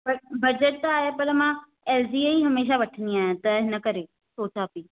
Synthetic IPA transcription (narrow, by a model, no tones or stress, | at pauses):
bɐbɐd͡ʑəʈ̚t̪aaːɦepɐləmã | eːld͡ʑiːeiɦɐmeːʃ̬aʋɐʈʰənd̪iaːɦẽt̪ɐɦɪnə̆kɐɾe | soːt͡ɕaːpiː